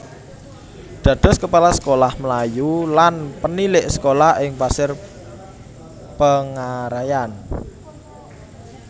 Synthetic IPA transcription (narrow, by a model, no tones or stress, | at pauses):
d̪̥ä̤d̪̥ɔ̤skəpalasə̥kolahməlajulanpənilɪʔsə̥kolahɪŋpasɪr | pəŋaɾajan